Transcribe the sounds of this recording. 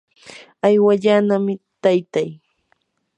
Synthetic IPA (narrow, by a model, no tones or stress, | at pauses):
ajwaʎanamɪt̪ajt̪aj